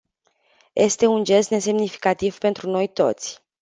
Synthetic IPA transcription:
jʔe̞st̪e̞und͡ʒe̞st̪ne̞se̞mnifi̥kat̪iv̥pe̞nt̪ɾuno̞jt̪o̞̰t̪sʲ

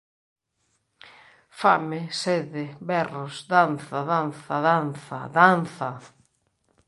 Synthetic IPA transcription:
famɪsɛðɪbɛrʊsd̪anθaðanθaðanθa̰ðanθa

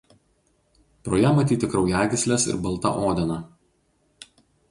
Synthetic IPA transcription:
pɾoːjɛmɐt̪ʲiːt̪ʲɪkɾɒʊjæːɡʲɪsʲlʲesɪ̰ɾbɐlˠt̪ɐ̰ʔoːd̪ʲɛnɐ

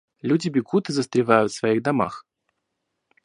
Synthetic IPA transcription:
lʲudʲɪbʲɪɡut̪ɨzəst̪ɾʲɪvajʊt̪svaiɣd̪ama̰x

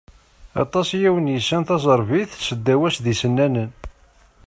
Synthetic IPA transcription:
ɑ̰t̪ˤɑsjæwənjəsːænθɑzˤəɾˤviθsəd̪ːæwæsðisənːænən

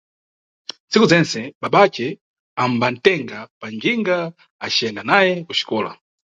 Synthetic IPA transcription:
nt͡sikuzɛnt͡sɛɓaɓat͡ʃɛ | amban̩tɛŋɡapaŋɡiŋɡa | at͡ʃɛndanajɛkuʃi̥kɔːla̰

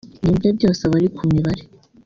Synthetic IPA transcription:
nibɲob̚ɟo̞ːseβaɾikʰumiβaɾe

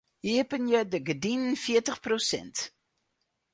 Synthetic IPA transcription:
hiəpənjədəɡədinənfiətəχprosɛ̰nt

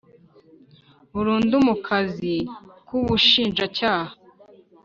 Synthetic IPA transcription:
βuɾuːndumukʰazikuβuʃiːnʒacaːha

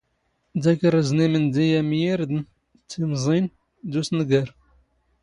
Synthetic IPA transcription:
d̪ækəɾəznimənd̪ijæmjiɾd̪n | t͡sːimzˤin | d̪usnəɡəɾ

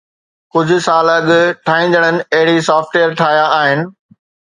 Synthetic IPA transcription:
kʊd͡ʑʱʊ̆saːlɐɠʊʈʰaːĩːn̆d̪əɽ̃ənɪ̆ɐɦɪɽisaːfʈwejəɾʈʰaːjaaːɦɪnɪ̆

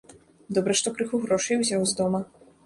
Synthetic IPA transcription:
d̪ɔbɾɐʂt̪ɔkɾɨxuɣɾɔʂɐjwzʲawzd̪ɔmɐ

